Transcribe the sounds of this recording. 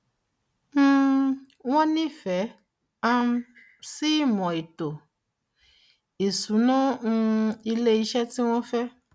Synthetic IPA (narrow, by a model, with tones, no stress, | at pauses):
m̩˦ | w̃ɔ̃˦nĩ˦fɛ˨˦ | a˧m˦ | si˦mɔ̃˨i˨to˨ | e˨su˨˦nã˦ŋũ˦i˧le˦i˧ʃɛ˦ti˦w̃ɔ̃˦fɛ˦